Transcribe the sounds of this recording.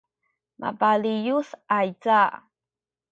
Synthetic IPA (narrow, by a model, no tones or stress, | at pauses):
ma̰balijusajt͡saʔ